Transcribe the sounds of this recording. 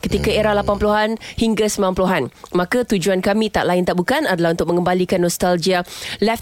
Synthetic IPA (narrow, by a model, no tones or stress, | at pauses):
kət̪ikaeɾahlapanpuluɦanhiŋɡasəmbilanpuluɦanmãkat̪ud͡ʒuankamĩt̪a̰ʔlaɪnt̪aʔbukanadalahunt̪ʊk̚mə̃ŋɡəmbalikanːɔst̪ald͡ʒialɛf